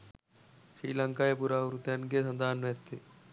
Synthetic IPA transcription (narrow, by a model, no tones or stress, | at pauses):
ʃɾiːləŋkaːepuɾauɾut̪janɡesɐ̃nd̪aːnʋeːt̪ːe